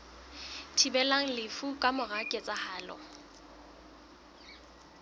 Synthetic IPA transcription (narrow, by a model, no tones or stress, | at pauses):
tʰibɛlaŋ̩lɪfukʼamʊɣakʼɛt͡sʼahaːlɔ̰